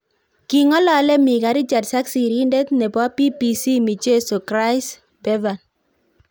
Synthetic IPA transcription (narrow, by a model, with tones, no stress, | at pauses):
ki˨ŋɔ˦lɔ˦lɛ˦mi˨ka˨ɾi˦t͡ʃa˨tsa˦ksi˨ɾi˦nde˦t̪nɛ˨ba˦pi˦pi˨si˦mi˨d͡ʒe˦so˨kɾa˦i˦s | bɛ˦va˨n